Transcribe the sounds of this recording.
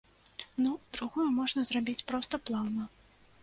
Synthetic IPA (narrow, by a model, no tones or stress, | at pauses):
nud̪ɾuɣɔjɐmɔʐnɐzrabʲit͡sʲpɾɔst̪ɐplˠawnɐ